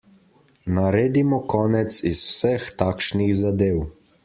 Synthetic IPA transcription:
naɾeːd̪imɔkɔːnɛt̪siswsɛxt̪aːkʃnixzad̪eːw

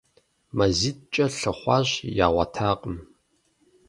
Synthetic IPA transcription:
mɐzit̚t͡ʃʼɐɬɨχʷɑːʑjaːʁʷɑ̰tʰaːqʼəm

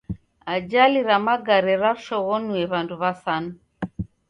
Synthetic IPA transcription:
ad͡ʒaliɾamaɡaɾɛɾaʃɔɣɔnuɛβanduβasana

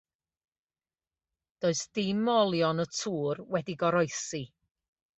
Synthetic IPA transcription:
d̥oːɨsd̥ɪmɔlˠjɔnətʰuːrwɛdiɡɔɾɔjsi

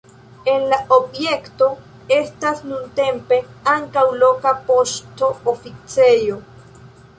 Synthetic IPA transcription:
enlaʔobjekt̪o̞ | est̪asnunt̪e̞mpe̞aŋkawlo̞kapost̪oofit͡sejo

